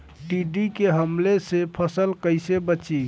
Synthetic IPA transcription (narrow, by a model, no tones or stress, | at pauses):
ʈiɖikeɦəmlesepʰəsəlkəɪsebət͡ʃi